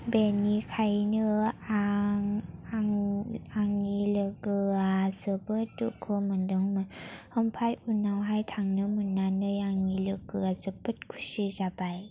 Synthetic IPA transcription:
benikʰajnɯa | ŋaŋːilɯɡɯazɯbɯtːuʔkʰɯmɯndɯŋmɯhɔmpʰajunawɦajtʰaŋnɯmunːanɯjaŋnilɯɡɯazɯbɯt̚kʰu̥sizabaj

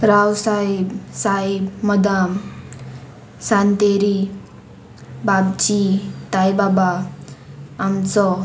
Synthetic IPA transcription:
ɾawsaibsaibmʌd̪am | sant̪eɾi | babt͡ɕit̪ajbabaː | mt͡sɔ

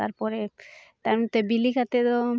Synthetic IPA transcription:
a̰ɾpɔɾet̪aɾmut̪ːebilikʰat̪et̪o

